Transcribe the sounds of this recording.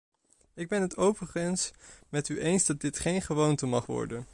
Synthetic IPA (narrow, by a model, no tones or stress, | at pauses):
ɪɡ̚bɛnɦətowvəχənsmɛtyʔejnzdɑt̚dɪtχejnχəʋowntəmɑχʋɔ̰ɹdən